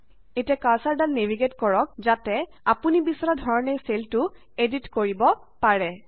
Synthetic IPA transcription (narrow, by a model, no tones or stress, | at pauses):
etiakasaɹdanːeviɡetkɔɹɔk̚zatɛ | apunibisɔɹadʱɔɹɔnejseltʊ | editkoɹibɔ | paɹɛ